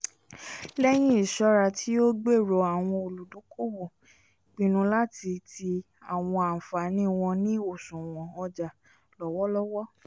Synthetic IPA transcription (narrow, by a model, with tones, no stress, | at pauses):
lɛ˦j̃ĩ˦i˦˨ʃɔ˦ɾa˧tʰi˦o˦ɡ͡be˦˨ɾo˨˧a˨w̃ɔ̃˧o˨lu˨dõ˨˦kʰo˦˨wo˨ | k͡pĩ˧˦nũ˧la˦ti˧tʰi˧ | a˨w̃ɔ̃˧a˨fa˨˦nĩ˦˨w̃ɔ̃˧nĩ˦o˦˨sũ˨w̃ɔ̃˨ɔ˧d͡ʒa˨ | lɔ˨wɔ˦lɔ˦wɔ˦